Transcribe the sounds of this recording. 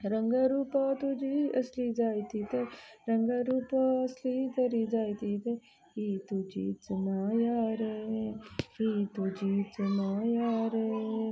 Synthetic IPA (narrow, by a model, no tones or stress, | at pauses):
ɾə̃ŋɡaɾuːpat̪ud͡ʒʱiɐslid͡ʒaːit̪it̪eɾɐ̃ŋɡaɾuːpaɐslit̪ɐɾid͡ʒaːit̪it̪e | kit̪ud͡ʒḭt͡sʊnajaːɾe | kit̪ud͡ʒit͡ʃʊnajaːɾe